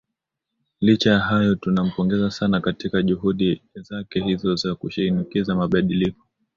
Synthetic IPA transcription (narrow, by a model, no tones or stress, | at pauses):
lit͡ʃajaɦajɔtunam̩pɔŋɡɛzasanakatikaʄuɦuɗizakɛɦizɔzakuʃiinikizamaɓaɗilikɔ̥